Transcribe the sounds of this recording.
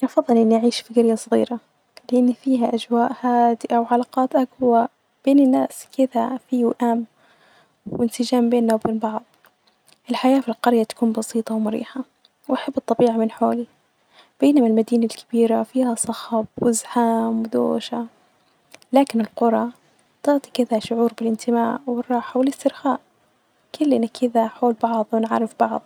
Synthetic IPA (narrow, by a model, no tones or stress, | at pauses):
ʔɑfɑðˤːɨlʔɪnːiʔaʕiːʃfiɡɪɾjasˤɣḭːɾa | lɪʔɪnːifiːɦaʔad͡ʒwaːʔhaːd̪ɪʔawʕalɑːqɑːt̪ʔaɡwa | b̥eːnɪnːaːskɪd̪afiwʔam | wɪnsɪd͡ʒaːmbeːnːawbeːnbɑʕðˤ | ʔɪlħajaːfilqɑɾjat̪ḁkuːnbɑsiːt̪ˤɑwmʊɾḭːħa | wʔaħabːɨt̪ˤːɑbiːʕamɪnħoːli | b̥eːnamalmad̪iːnalkḁb̥iːɾafiːhasˤɑxɑb̚wɪzħaːmwɪd̪o̰ːʃa | laːkɪnɪlqʊɾˤɑ | t̪ɑʕt̪ˤikɪd̪aʃʊʕuːɾbɪlɪnt̪ʰɪmaːʔwɪrˤːɑːħawɪlɪst̪ɪɾxaːʔ | kʊlːʔɪnakʰɪd̪aħoːlbɑʕðˤwɪnʕa̰ɾːɪfb̥ɑʕðˤ